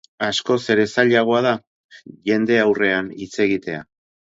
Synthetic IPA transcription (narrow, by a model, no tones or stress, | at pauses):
asko̞se̞ɾe̞saʎaɣ̞o̞að̞a | ʝe̞nd̪e̞awre̞anit͡se̞ɣit̪e̞a̰